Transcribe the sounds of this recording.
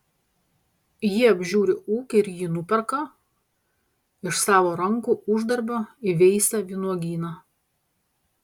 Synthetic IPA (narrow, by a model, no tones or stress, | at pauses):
jiɐbʲʒʲuːɾʲɪuːkʲɪɪɾjiːnʊpʲɛɾkɐ | ɪʃsɑːʋoːɾɐŋkuːʊʒd̪ɐɾʲbʲoːɪʋʲɛɪsʲɛʋʲinuɔɡʲiːnɐ